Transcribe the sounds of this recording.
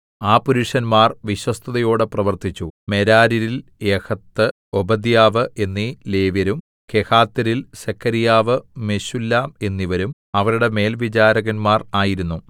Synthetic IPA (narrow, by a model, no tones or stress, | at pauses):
aːpuɾuʂɐnmaːrʋiɕwɐst̪ʰɐðɐjo̞ːɽɨprɐʋɐrt̪it͡ɕːume̞ɾaːɾiɾilekʰɐt̪ːɨ | obɐd̪jaːʋɨʔe̞nːile̞ːʋjɐɾum | ke̞kaːt̪ːɐɾilɕekʰːɐɾijaːʋɨme̞ɕulːaːme̞nːiʋɐɾum | ɐʋɐɾuɽe̞me̞ːlʋid͡ʑaːɾɐɣɐnmaːraːjiɾunːu